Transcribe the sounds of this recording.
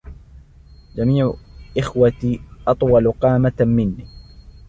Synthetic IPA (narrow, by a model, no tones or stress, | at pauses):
d͡ʒamiːʕʊʔɪxwat̪iːʔɑt̪ˤwɑlqɑːmat̪mɪnːiː